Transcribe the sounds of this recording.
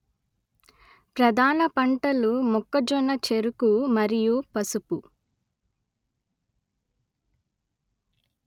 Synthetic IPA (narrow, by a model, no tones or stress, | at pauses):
pɾɐd̪ʱaːnɐpɐɳʈɐlumɔkːɐd͡ʒɔnːɐt͡ʃeɾukumɐɾijupɐsupu